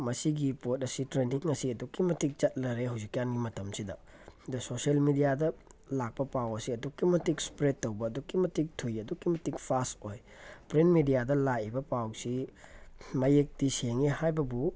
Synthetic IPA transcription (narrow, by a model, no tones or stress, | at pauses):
mɐsiɡipot̚ɐsitɾeniŋːɐsiɐdukːimɐtik̚t͡ʃɐt̚lɐɾeɦawzikjanɡimɐtʰɐmsidɐ | dusoselmidijadɐlak̚pɐpawɐsiɐdukːimɐtik̚spɾetːowbɐːdukimɐtik̚tʰujɐdukːimɐtikpʰastoj | pɾenmidijadɐlaʔibɐpawsi | mɐjek̚diseŋihajbɐbu